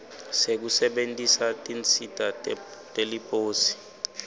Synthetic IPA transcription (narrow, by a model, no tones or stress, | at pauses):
sek̬usɛɓentʼisatʼint͡sʰʼitʼatʼelipʼoːsi̥